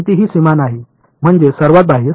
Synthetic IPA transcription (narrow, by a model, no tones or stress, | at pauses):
t̪iɦiːsimanaɦi | m̤əɳd͡zesəɾʋat̪̚bʱaɦi